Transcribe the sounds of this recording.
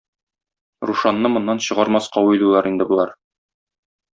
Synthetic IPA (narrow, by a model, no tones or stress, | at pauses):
ɾuʃɑnːɤmŏnːɑnɕɤ̆ʁɑɾmɑsqɑwilulˠɑɾind̪ɘbulˠɑɾ